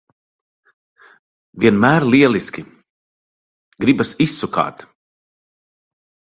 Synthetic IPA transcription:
vʲiɛnmæːɾlʲiɛlˠiskʲi | ɡɾibasisːuka̰ːt̪

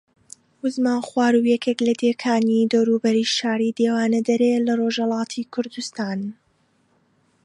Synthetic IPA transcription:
ʊzmaːnχwaːɾujɛkʰeklɐd̪ekʰaːnid̪ɔwɾuːbɐɾiʃaːɾid̪eːwaːnɐd̪ɐɾeːlɐroʒhɐlˠɑːt̪ʰiːkʰʊɾd̪ust̪aːn

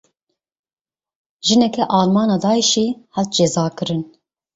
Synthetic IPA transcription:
ʒɨnɛkɛʔɑːlmɑːnɑːd̪ɑːiʃiːhælt̪̚d͡ʒɛzɑːkɨɾɨn

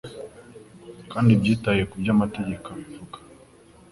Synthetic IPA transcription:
kandibjitajɛkud͡ʒamatiɟikaifukḁ

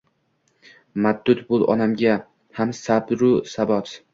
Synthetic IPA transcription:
mad̪ːʊt̪bʊlˠɒ̰namɡʲa | hamsabɾʊsabɒt̪

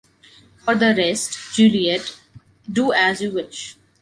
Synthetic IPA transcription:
fɔɾd̪əɾɛsʈd͡ʒuːliəʈ | ɖuːæzjuʋɪʃ

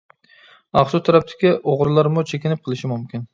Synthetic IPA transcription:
ɑχsʊt̪ʰaɾæp̚t̪ʰɪ̥kʲiʔoʁɾlˠɑɾmʊt͡ʃʰekʲɪnɪp̚qʰəlˠɪʃɪmumkʲʰɪn

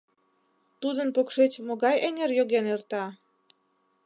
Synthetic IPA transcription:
t̪ud̪ənpokʃet͡ɕmoɣɑjeŋerjoɣenert̪ɑ

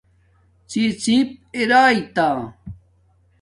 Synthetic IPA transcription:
t͡sit͡sĩp̚eɾaːit̪a

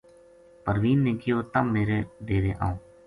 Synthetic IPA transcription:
pəɾʋiːnːẽːkɪjoːt̪amːeːɾeːɖeːɾeːʔã̰õː

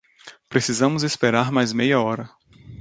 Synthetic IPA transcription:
pɾesizɐ̃mʊzespeɾaɾmajzmejɐɔɾɐ

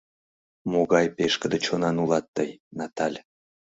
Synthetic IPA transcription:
moɡɑjpeʃkə̆d̪ət͡ɕonɑnulˠɑt̪ːɤjnɑt̪ɑlʲ

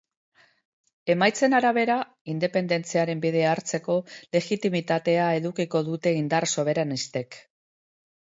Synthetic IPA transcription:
e̞majt͡se̞naɾaβ̞e̞ɾa | ind̪e̞pe̞nd̪e̞nt͡siaɾe̞mbiðe̞aːɾt͡se̞ko̞le̞ɣit̪imit̪at̪e̞ae̞ðukiko̞ðut̪e̞ind̪arso̞β̞e̞ɾanist̪e̞k

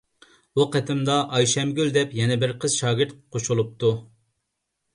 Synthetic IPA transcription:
buqʰæt̪ʰɪmd̪ɑʔɑjʃɛmɡʲyld̪ɛpjɛnɛbɪɾqʰəz̥ʃɑːɡʲɪɾt̪̚qʰoʃulˠup̚t̪u

